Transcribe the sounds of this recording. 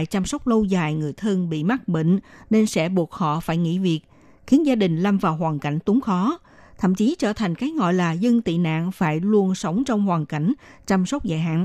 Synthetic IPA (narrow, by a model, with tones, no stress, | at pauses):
jt͡ɕa˧msə˦˥wk͡p̚lə˧wzaː˨˩jŋɨ˨˩əjt̪ʰɨ˧ŋɓḭ˧˨ma˦˥t̚ɓḭ˧˨ŋ̟ne˧nsɛ̰˧˥ɓu˨˩ək̚hɔ̰˧˨faː˧˩jŋḭ˧˥vi˨˩ək̚ | xi˨˦ənzaː˧ɗï˨˩ŋ̟la˧mvaː˨˩wɦwaː˨˩nka˧˩jŋ̟t̪ʊ˨˦ŋ͡mxɔ˨˦ | t̪ʰə̰˧˨mt͡ɕi˨˦t͡ɕəː˧˩t̪ʰa˨˩jŋ̟kaː˨˦jŋɔ̰˧˨jlaː˨˩zɨ˧ŋt̪ḭ˧˨na̰ː˧˨nfaː˧˩jlu˧ənsə˨˦wŋ͡mt͡ɕɔ˧wŋ͡mhwaː˨˩nka˧˩jŋ̟t͡ɕa˧msə˦˥wk͡p̚za̰ː˧˨jɦa̰ː˧˨n